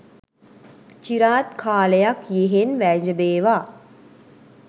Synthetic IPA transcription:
t͡ʃiɾaːt̪kʰaːləjakjeɦenʋæːd͡ʒəbeːʋaː

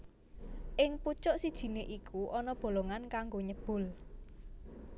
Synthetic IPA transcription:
ʔɪŋput͡ʃʊʔsid̥ʒ̥i̤neʔikʰuʔɔnɔb̥o̤loŋankaŋɡoɲəb̥ʊ̤l

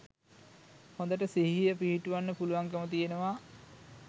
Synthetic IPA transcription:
hõnd̪əʈəsiɦijəpiɦiʈuʋanːəpuluʋaŋkəmət̪̬ijenəʋa

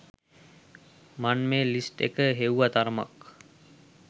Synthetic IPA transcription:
manmeːlisʈḛkəɦewʋɐt̪aɾəma̰k

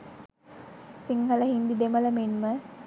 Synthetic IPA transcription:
siŋhələhind̪id̪emələmenmə

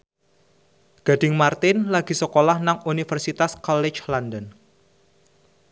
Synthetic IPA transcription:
ɡ̥a̤d̥ɪ̤ŋmart̪ɪnlaɡ̥i̤səkolahnaŋunifərsit̪askɔlɪt͡ʃlandən

